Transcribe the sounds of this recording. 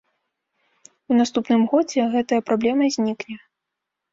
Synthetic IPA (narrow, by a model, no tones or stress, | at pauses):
unast̪upnɨmɣɔd͡zʲɛɣɛt̪ɐjɐpɾablʲɛmɐzʲnʲiknʲɛ